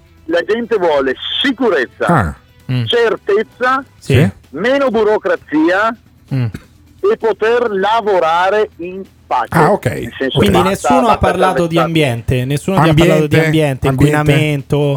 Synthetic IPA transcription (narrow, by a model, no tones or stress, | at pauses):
lad͡ʒɛnt̪evwɔːlesikuɾet̪sːa̰ | t͡ʃert̪et̪sːasimeːnobuɾokɾat̪siːa | epːot̪erlavoɾaːɾein | pat͡ʃaeokːɛ̰jelsɛnswind̪inesːuːnoapːarlaːt̪od̪iambjɛnt̪enesːuːnoaaɾlaːt̪od̪iambjɛnt̪eiŋkwinament̪o